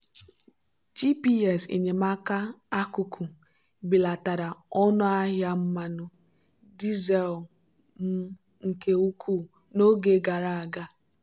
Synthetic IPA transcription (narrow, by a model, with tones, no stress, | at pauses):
d͡ʒi˦pi˦ɛ˨sḭ˨ɲe˨ma˦ka˦a˦kʊ˨kʰu˨ | bi˨la˨ta˨ɾa˨ɔ˦nʊ˦a˦ɦja˦m̩˦ma˦nʊ˦ | di˦ze˨l | m̩˦ | ŋ̩˨ke˦u˦kʰu˦˨ | no˦ɡe˦ɡa˨ɾa˦˨a˨ɡa˦